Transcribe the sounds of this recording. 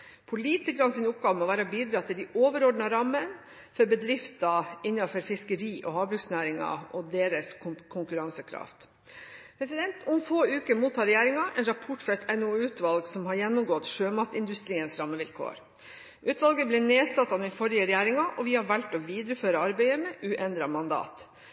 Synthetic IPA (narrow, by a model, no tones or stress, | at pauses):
pʰʊliːt̪ɪkəɾɑnsɪnʊp̚ɡɑːʋəmɔʋæːɾɑbiːd̪ɾɑːt̪ʰɪld̪ɪʔoːʋəɾɔɖɳ̩ɑɾɑmːən | fɔɾbəd̪ɾɪft̪ɑɪnːɑfɔɾfɪskəɾiːʔɔɦɑːbɾʉksnæːɾɪŋɑ̰ʔɔd̪eːɾəskkʰʊŋkʉɾɑŋsəkʰɾɑ̰ːft̪ | pʰɾɛsɪd̪ɛnt̪ʰʊmfoːʉːkəmuːt̪ʰːɑːɾɛjæːɾɪŋɑʔɛnɾɑpʰɔʈːfɾɔɛt̪ʰɛnuːʉːt̪ʋɑlɡsɔmɦɑɾjɛnːʊmɡɔt̪ʃøːmɑt̪ɪnd̪ʉst̪ɾiːənsɾɑmːəʋɪlkʰo̰ːɾ | ʔʉːt̪ʋɑlɡəblɛneːsɑt̪ːɑd̪ɛnfɔɾɪəɾɛjæːɾɪŋɑʔɔʋɪhɑɾʋælʈ̪ɔʋiːd̪ɾəføːɾəɑɾbæɪəmɛʔʉːʔɛnd̪ɾɑmɑnd̪ɑ̰ːt̪